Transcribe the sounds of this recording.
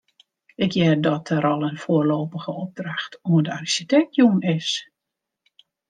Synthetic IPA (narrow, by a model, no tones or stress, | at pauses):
ɪkjɛdɔtəɾɔlˠənfoːərloːpəɣəob̚draxtuəndəarisitɛk̚tjuənɪs